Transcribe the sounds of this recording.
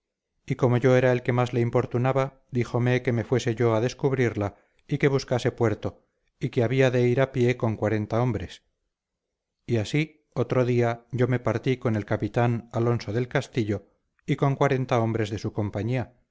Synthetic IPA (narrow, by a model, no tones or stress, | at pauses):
iko̞mo̞ʝo̞e̞ɾae̞lke̞mazle̞impo̞ɾt̪unaβa | d̪ixo̞me̞ke̞me̞fwe̞se̞ʝo̞aðe̞skuβɾiɾla | ike̞β̞uskase̞pwe̞ɾt̪o̞ | ike̞aβiaðe̞iɾapje̞ko̞ŋkwaɾe̞nt̪ao̞mbɾe̞s | iasi | o̞t̪ɾo̞ðiaɟ͡ʝo̞me̞paɾt̪iko̞ne̞lkapit̪analo̞nsoðe̞lkast̪iʎo̞ | iko̞ŋkwaɾe̞nt̪ao̞mbɾe̞zðe̞suko̞mpaɲia